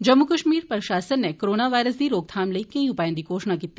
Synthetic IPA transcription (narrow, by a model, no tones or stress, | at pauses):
d͡ʒɐmːukɐʃmiːɾpəɾʃaːsənːekoɾoːnaʋaːjɾəsd̪iɾoːɡ̚t̪ʰaːmlɐikɐ̃ĩupajə̃nd̪ikoːʃɳakit̪ːi